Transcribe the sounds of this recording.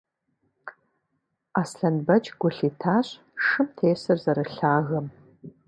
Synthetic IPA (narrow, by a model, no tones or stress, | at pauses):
aːsɬɐnbɐt͡ʃʼɡʷʊɬiːtʰaːɕʼ | ʂɨmtʰeːsɐrzɐɾɨɬaːɣɐm